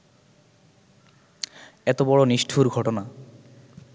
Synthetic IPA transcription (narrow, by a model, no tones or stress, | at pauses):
ɛt̪obɔɽoniʃʈʰuɾɡʱɔʈona